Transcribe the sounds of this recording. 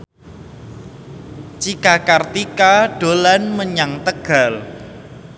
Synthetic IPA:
t͡ʃikakart̪ikaɖ̥olanməɲaŋt̪əɡ̥a̤l

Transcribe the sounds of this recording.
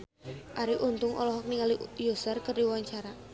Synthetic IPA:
ʔaɾiʔunt̪ʊŋʔɔ̰lɔɦɔk̚niŋalijusərkərdiwaɲt͡ʃaɾa

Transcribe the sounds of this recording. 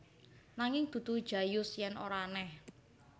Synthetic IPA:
naŋɪŋd̪̥ṳd̪̥ṳd̥d͡ʒ̥a̤jʊsjɛnʔo̰ɾanɛh

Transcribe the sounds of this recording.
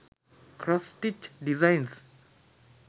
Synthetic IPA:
kʰɾɔstit͡ʃdizãjns

